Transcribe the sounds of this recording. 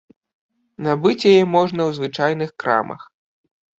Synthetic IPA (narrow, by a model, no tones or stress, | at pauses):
nabɨt͡sʲjajɛmɔʐnɐwzvɨt͡ʂajn̪ɨxkɾa̰mɐ̰x